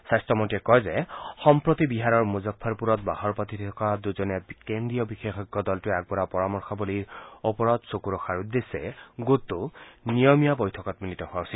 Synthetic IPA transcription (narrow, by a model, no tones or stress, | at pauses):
sajstɔmotiɛkɔjzɛxɔmpɹot̪ibiɦaɹɔɹmuzɔpʰːɔɹpuɹɔt̚bahɔɹpɔt̪ʰitʰɔkad̪uzɔnɛkendɹijɔbixexɔɡːɔdɔltʊɛk̚bɔɹapɔɹamɔɹxɔboliɹopɔɹɔt̪sokuɹɔxaɹud̪ːesɛ̰ɡot̪ːʊnijɔmijabɔjtʰɔkɔt̪militɔhʊawsi